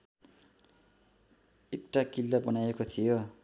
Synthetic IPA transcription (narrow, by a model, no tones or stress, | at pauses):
ekʈakilːabʌnajekot̪ʰijo